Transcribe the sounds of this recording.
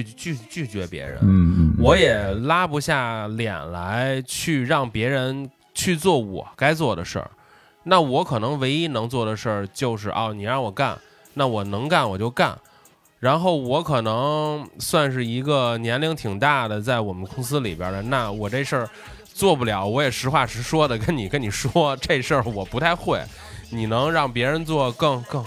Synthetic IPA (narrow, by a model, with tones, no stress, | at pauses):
y˥˧˩t͡ɕy˥˩t͡ɕy˥˩t͡ɕɥɛ˧˥pjɛ̰˧˥ɻə̰˧˥wɔ˧˥jɛ˨˩la˥pu˧˥ɕja˥˩ljɛ̰˨˩nla˧˥ɪt͡ɕʰy˥˧ɻɑ˥˩ŋpjɛ˧˥ɻə˧˥n | t͡ɕʰy˥˧t͡swɔ˥˩wɔ̰˨˩˦ka˥ɪt͡swɔ˥˩d̪ə̰˩ʂə̰˥˩ | na˥˩wɔ˧˥kʰɤ˨˩nɤ˧˥ŋwe˧˥ɪi˥nɤ˧˥ŋt͡swɔ˥˩d̪ə˩ʂə˥˩t͡ɕjo˥˧ʊʂɻ̩˥˩ʔɑ̰˥˩ʊni˨˩a˞˥˩wɔ˨˩ka˥˩n | na˥˩wɔ˨˩nɤ˧˥ŋka˥˩nwɔ˨˩t͡ɕjo˥˧ʊka̰˥˩n | ɻa˧˥nxo˥˩ʊwɔ˧˥kʰɤ˨˩nɤ˧˥ŋswa˥˧nʂ̬ɻ̩˥˩i˧˥ɡə˧njɛ˧˥nli˧˥ŋt̪ʰi˨˩ŋt̪a˥˩d̪ə˩t͡sa˥˩ɪwɔ˨˩mə˦nkʊ˥ŋs̬ɹ̩˥lḭ˨˩pjə̰˞˧˥ə˧na˥˩wɔ˨˩ʈ͡ʂe˥˧ɪʂə˞˥˧ | t͡swɔ˥˧pu˥˩ljɑ˨˩˦ʊwɔ˧˥jɛ˨˩ʂɻ̩˧˥xwa˥˩ʂɻ̩˧˥ʂwɔ˥d̪ə˨kə˥nni˨˩kə˥nni˨˩ʂwɔ˥ʈ͡ʂe˥˧ɪʂə˞˥˩wɔ˨˩pu˧˥t̪ʰa˥˧ɪxwe˥˩ɪ | ni˨˩nɤ˧˥ŋɻɑ˥˩ŋpjɛ˧˥ɻə˧˥nt͡swɔ˥˧kɤ˥˧ŋkɤ˥˧